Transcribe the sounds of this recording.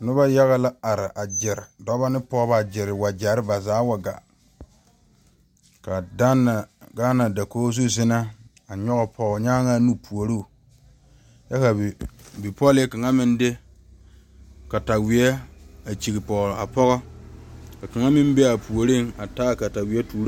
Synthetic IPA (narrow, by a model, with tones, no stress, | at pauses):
nʊ˦ba˦ja˦ɣa˦la˦a˨ɾɪ˨ʔa˨d͡ʒɪ˨ɾɪ˨dɔ˦ba˦nɪ˦pɔ˦ba˦˨d͡ʒɪ˨ɾɪ˨wa˨d͡ʒa˨˦ɾɪ˦ba˨zaː˨˦wa˨ɡa̰˨ | ka˨da˦na˨ɡa˦na˨da˨koː˦zu˦zɪ˦na˦ | a˨ɲɔ˦ɣɔ˨pʰɔ˨ɣɔ˨ɲaː˦ŋa˦nu˦pu˨o˨ɾu˦˨ | ja˦ka˨bɪ˨pɔ˦lɪ˦ka˨ŋa˦mɪ˦nde˦ | ka˨ta˨wɪ˨ɛ˦a˨t͡ʃi˨ɡi˨pɔ˨ɣla˨pɔ˦ɣɔ˦ | ka˨ka˨ŋa˦mɪ˦m˦be˦a˨pu˨o˨ɾɪ˦˨ŋa˨ta˦˨ka˨ta˨wɪ˨ɛ˦tʰuː˨ɾ